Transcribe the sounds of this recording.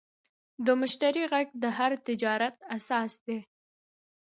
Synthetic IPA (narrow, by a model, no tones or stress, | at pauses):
d̪əmʊʃt̪aɾiɣaɡd̪əɦaɾt̪ɪd͡ʒɑɾat̪asɑsd̪e